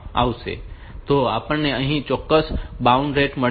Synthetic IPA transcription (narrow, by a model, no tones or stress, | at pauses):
a̰ʋsḛ | t̪oaːpəɳneəɦĩt͡ʃɔkːəsbaʊɳɖɾeʈmə